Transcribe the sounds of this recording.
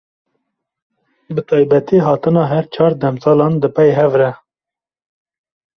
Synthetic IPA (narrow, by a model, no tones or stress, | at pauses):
bɨt̪ʰɑːjbɛt̪iɦɑːt̪ɨnɑːɦɛɾt͡ʃʰɑːɾd̪ɛmsɑːlɑːnd̪ɨpɛjɦɛvɾɛ